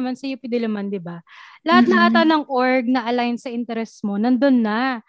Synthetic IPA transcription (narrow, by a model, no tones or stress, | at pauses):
mansɐjupɪd̪ɪlɐmand̪ɪbalɐhat̪̚nɐʔat̪anɐŋʔoɹɡ̚nɐʔɐlajnsɐʔɪnt̪ɛɾɛsmo̞nɐnd̪o̞nːɐ